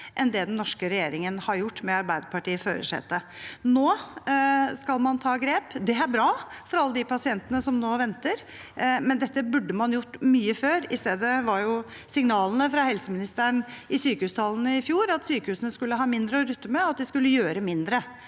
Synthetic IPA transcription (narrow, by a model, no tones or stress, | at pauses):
ʔɛnd̪ɛd̪ɛnnːɔʂkəɾɛjeːɾɪŋənhɑɾjʊʈːmɛɑɾbæɪd̪əpʰɑʈiːəføːɾə̰ʂɛ̰t̪ːə | noː | skɑlmɑnt̪ʰɑːɡɾeːpd̪ɛæɾbɾɑːfɔɾɑlːəd̪ɪpʰɑsɪɛnt̪ənəsɔmnoːʋɛnt̪əɾ | mɛnd̪ɛt̪ːəbʉɖːəmɑnjʊʈːmyːəføːɾɪst̪eːd̪əʋɑɾjʊ | sɪŋnɑːlnəfɾɑhɛlsəmɪnɪst̪əɳɪsyːkəhʉːst̪ʰɑlnəɪfjuːɾɑt̪syːkəhʉːsənəskʉlːəɦɑːmɪnd̪ɾəɔɾʉt̪ːəmɛɔɑt̪̚d̪ɪskʉlːəjøːɾəmɪnd̪ɾə